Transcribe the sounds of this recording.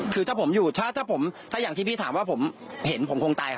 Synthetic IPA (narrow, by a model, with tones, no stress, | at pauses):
kʰɯː˧aː˥˩pʰo˩˦mjuː˨˩t̪ʰaː˥˩t̪ʰaː˥˩pʰo˩˦mt̪ʰa˥˩jaː˨˩t̪ʰiː˥˩piː˥˩aː˩˦mwaː˥˩pʰo˩˦mhe˩˦npʰo˩˦mkʰo˧ŋt̪aː˧jkʰa˦˥˩